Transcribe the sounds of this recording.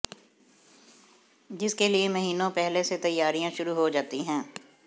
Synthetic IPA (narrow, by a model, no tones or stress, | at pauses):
d͡ʒɪskeliemɐɦiːnõpɛɦleset̪ɐjːaːɾijãʃʊɾuɦod͡ʒaːt̪iɦɛ̃ː